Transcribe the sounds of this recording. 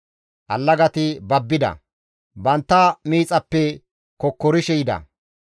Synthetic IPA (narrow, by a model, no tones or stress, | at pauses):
ʔɐlːɐɡɐt̪ɪbɐbːɪd̪ɐ̰ | bɐnt̪ːɐmiːt͡sʼɐpːɛ | kɔkːɔɾɪʃɛjɪd̪ɐ̰